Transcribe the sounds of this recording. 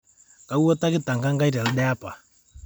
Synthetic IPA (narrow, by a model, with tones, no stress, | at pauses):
ka˨˦u˦ɔ˦ta˦kɪ˦ta˨ŋɡa˦ŋɡa˦i˦ɾa˨lɗɛ˦a˦pa˨